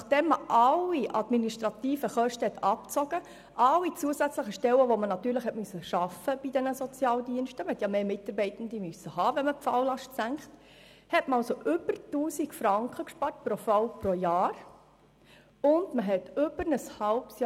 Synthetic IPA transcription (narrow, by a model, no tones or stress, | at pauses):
nɑχd̥ɛmːəʔɑlːiʔɑd̥miniʃtɾɑtiːfəχœʃtəhɛt̪ɑpt͡sɔɡ̥ə | ʔɑlːit͡suəzæt͡sləχəʃtɛləʋomənɑt̪ːyːɾləχhɛtmyøsːəʃɑfəb̥idɛnəsɔt͡sjɑːldiənʃtəməhɛtjɑmeːmɪtɑrbɛɪtən̩d̪imysːəhɑːʋɛnməpfɑwlɑʃtsæŋkt | hɛtməɑlsoʔʏb̥ərtuːsikfɾɑŋkχəkʃpɑːɾt̚pɾofɑlpɾojɑːr | ʊndməɦɛtʏbəɾnəshɑlpsj